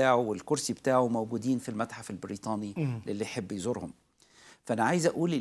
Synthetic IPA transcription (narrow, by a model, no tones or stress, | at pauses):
aːʕuwelkoɾsibet̪aːʕumæwɡuːd̪iːnfilmæt̪ħafelbɪɾiːt̪ˤɑːnilelːijħebːjzoɾˤhʊm | fæʔænæʕajzʔæʔuːli